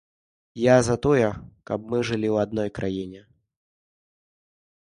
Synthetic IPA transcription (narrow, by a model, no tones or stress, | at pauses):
jazat̪ɔjɛkabmɨʐɨlʲiwad̪̚nɔjkɾʔajinʲɛ